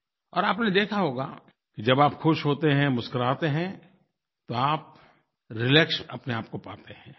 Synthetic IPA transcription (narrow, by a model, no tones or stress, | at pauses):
ɔːɾaːpned̪eːkʰaɦoːɡa̰ | kid͡ʒɐbaːpxʊʃɦoːt̪eɦɛ̃mʊskəɾaːt̪eɦɛ̃ | t̪oaːp̚ | ɾɪlɛksɐpneaːp̚kopaːt̪eɦɛ̃ː